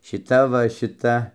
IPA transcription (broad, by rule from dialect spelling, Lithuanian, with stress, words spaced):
ʃʲɪˈtɐ ʋɐ ʃʲɪˈtɐ